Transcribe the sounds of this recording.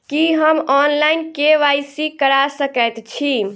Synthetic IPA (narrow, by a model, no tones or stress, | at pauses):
kiɦəmɔnlajnkeʋajsikəɾasəkət̪t͡ʃʰi